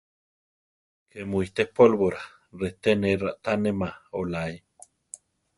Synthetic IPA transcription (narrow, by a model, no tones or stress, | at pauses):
kʰemuiht̪ehpolβoɾa | ret̪eneraʔt̪anemaolai